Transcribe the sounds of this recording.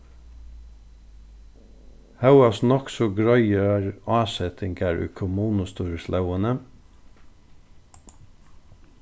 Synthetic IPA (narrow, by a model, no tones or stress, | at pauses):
hɑʉɑsnɔksɔɡɹœɪəæːɹɑːsɛt̪ʰɪŋɡæːɹʉ̰ːkʰʊmuːnʊst̪uːɹəslʔɑʊənə